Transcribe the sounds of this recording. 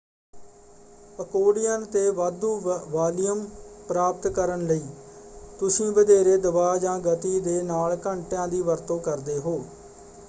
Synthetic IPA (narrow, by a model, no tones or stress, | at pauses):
əkoːɽɪjənt̪eːʋaːd̪uːʋaːlɪjəmpɾaːp̚t̪kəɾənləiːt̪ʊsĩːbəd̪eːɾeːd̪əbaːd͡ʒãːɡət̪iːd̪eːnaːlkəɳʈjãːd̪iːʋəɾt̪õːkəɾd̪eːɦoː